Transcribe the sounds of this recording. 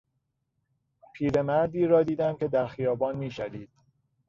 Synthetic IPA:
pʰiːɾe̞mæɾd̪iːɾɒːd̪iːd̪æmcʰe̞d̪æɾxijɒːbɒːnmiːʃæɾiːd̪̥̚

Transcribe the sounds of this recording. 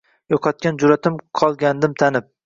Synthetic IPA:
joqʰɒt̪̚kʲand͡ʒʊɾat̪ʰɪmqʰɒlˠɡʲand̪ɪmt̪ʰanɪp̚

